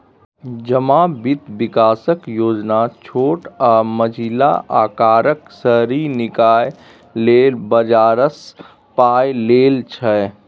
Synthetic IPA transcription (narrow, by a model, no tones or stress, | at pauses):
d͡ʒəmabɪt̪ʋɪkaːsəkjoːd͡ʒnat͡ʃʰoːʈaməd͡ʒʱila̰ʔaːkaːɾəksəɦɾinɪkaːj | leːlbəd͡ʒaːɾəs | paːjleːlt͡ʃʰɛ